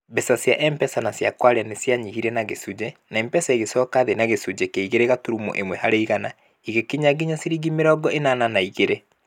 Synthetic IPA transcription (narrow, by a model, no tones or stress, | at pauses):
bɛsasjaʔɛmpɛsanasjakwaɾeanesjaɲihiɾɛnaɣesud͡ʑɛnaɛmpɛsaiɣesɔːkaðenaɣesud͡ʑɛkeiɣeɾeɣatuɾumo̰ʔemwɛhaɾeiɣana | iɣekiɲaɡiɲasiɾiɡimeɾɔːɡɔenananaiɣeɾe